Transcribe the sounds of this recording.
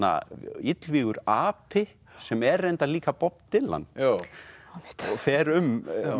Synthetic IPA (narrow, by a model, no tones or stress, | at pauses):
a̰it̪lviːɣʏɾaːpʰɪ | sɛmɛrejnt̪aliːkapɔp̪̚t̪ɪlːa̰nː | fɛːɾʏm